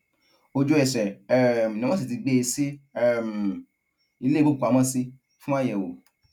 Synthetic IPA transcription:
o˧d͡ʒu˧ɛ˨sɛ˨ɛ˦˨nĩ˨˧˦ã˦si˨ti˧ɡ͡be˧˦˧si˦ɛ˦˧˨m˨ | i˧le˦bo˦˨ku˨a˨˧mã˦si˧ | fũ˦ã˦jɛ˨wo̰˨

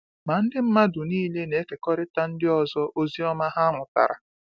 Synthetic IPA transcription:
ma˨n̩˦dɪ˦m̩˦ma˦dʊ˨niː˦le˦ne˨˦ke˨kɔ˦ɾɪ˦ta˦n̩˦dɪ˦ɔ˨zɔ˦ʔo˦zi˦ɔ˦ma˦ɦa˦a˦ŋʷʊ˨ta̰˨ɾa̰˨

